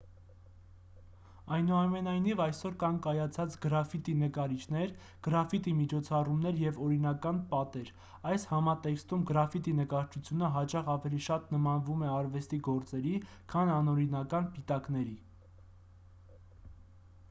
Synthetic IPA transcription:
ɑjnuɑmɛnɑjnivɑjsɔɾkɑnkɑjɑt͡sʰɑt͡sɡəɾɑfit̪inəkɑɾit͡ʃʰnɛɾ | ɡ̥əɾɑfit̪imit͡ʃʰɔt͡sʰɑrumnɛɾjɛvɔɾin̪ɑkɑnpɑt̪ɛɾ | ɑjshɑmɑt̪ɛkst̪umɡəɾɑfit̪inəkɑɾt͡ʃʰut͡sʰjunəɦɑt͡ʃɑʁɑvɛliʃɑt̪nəmɑnvumɛɑɾvɛst̪iɡɔɾt͡sɛɾi | kʰɑnɑnɔɾinɑkɑnpit̪ɑkn̪ɛɾi

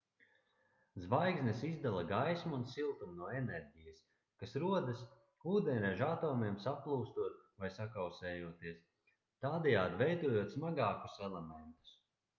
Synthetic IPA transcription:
zvajɡznesizd̪alˠaɡajsmuunsilˠt̪umnuɔenɛɾʲɟijɐs | kasɾuɔd̪as | uːd̪ɛnʲɾɛʒat̪ɔːmiɛmsaplˠuːst̪uɔt̪̚vajsakawsɛːjuɔt̪iɛs | t̪aːd̪ɛjaːd̪ivɛjd̪uɔjuɔt̪smaɡaːku̥sɛlˠemɛnt̪u̥s

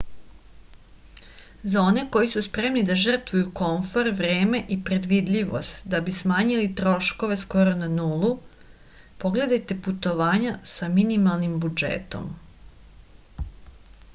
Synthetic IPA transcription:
zao̞ne̞ko̞jisuspɾe̞mnid̪aʒr̩t̪ʋujuko̞ɱfo̞ɾʋɾe̞ːmeʔipɾe̞d̪ʋid̪ʎiʋo̰st̪d̪abismaːɲilit̪ɾo̞ʃko̞ʋe̞sko̞ɾo̞nanuːlˠu | po̞ɡle̞d̪ajt̪e̞put̪o̞ʋaːɲasaminimalˠnimbud͡ʒḛːt̪o̞̰m

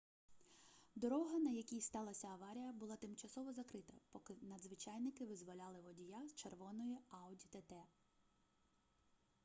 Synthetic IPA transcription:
d̪ɔɾɔɦɐnɐjɐkʲijst̪ɑlˠɐsʲɐːʋɑɾʲijɐbʊlˠɑt̪ɪmt͡ʃɐsɔʋɔzɐkɾɪt̪ɐpɔkɪnɐd̪zʋɪt͡ʃɑjnɪkɪʋɪzʋɔlʲɑlˠɪʋɔdʲijast͡ʃerʋɔnɔjiɑʊdʲit̪ɛt̪ɛ

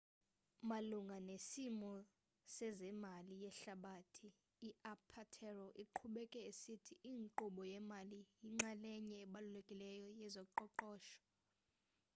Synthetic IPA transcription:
maluŋɡʱanesimɔ | sɛzɛmalijɛɬaɓatʰiː | apʰatʰɛrɔʔiǃʰuɓɛkʼɛesitʰiʔiːŋǃuɓɔjɛmalijiŋ͡ǁalɛɲɛːɓalulekʼilɛjɔjɛzɔǃɔǃɔːʃɔ̥

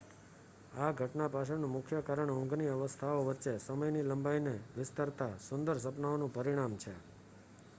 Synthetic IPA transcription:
aɡʱəʈnapaʃʰənũmʊkʰjəkaɾəɳɔ̃ŋɡniəʋəst̪ʰaoʋəɾt͡ʃesəməjniləmbajneʋɪst̪əɾt̪asʊnd̪əɾs̬əpnaonũpəɾiɽ̃amt͡ʃʰe

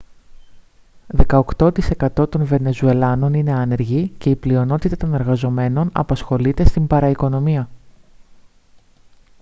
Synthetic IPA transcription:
ðe̞kɐokt̪o̞t̪ise̞kɐt̪o̞t̪o̞nve̞ne̞zue̞lɐno̞nine̞ɐne̞ɾʝice̞iplio̞no̞t̪it̪ɐt̪o̞ne̞ɾɣɐzo̞me̞no̞nɐ̰pɐsxo̞lit̪e̞st̪imbɐɾɐiko̞no̞miɐ

